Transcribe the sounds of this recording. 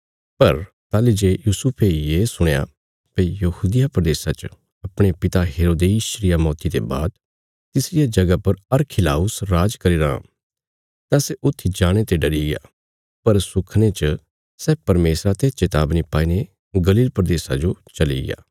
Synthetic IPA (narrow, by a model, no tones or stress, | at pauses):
pɐɾ | t̪aːlid͡ʒeːjuːsʊpʰejeːsʊɽ̃eja̰ | pejɐhuːd̪ɪjapɾəd̪eːsat͡ʃ | ɐpɽ̃epɪt̪aɦeːɾoːd̪eiʃɾɪjamɔːt̪it̪ḛba̰ːd̪ | t̪ɪsɪjad͡ʒɐɡapɐɾɐɾkʰɪla̰ːʊsɾaːd͡ʒkɐɾiɾaã̰ | t̪ãseʔʊt̪ʰːid͡ʒaːɽ̃et̪eɖɐɾiɡea̰ː | pɐɾsʊkʰnet͡ʃə | sɛːpɐɾmeːsɾat̪et͡ʃet̪aːbnipaːine | ɡɐliːlpɾəd̪eːsad͡ʒot͡ʃɐlḭɡɪ̰ja̰ː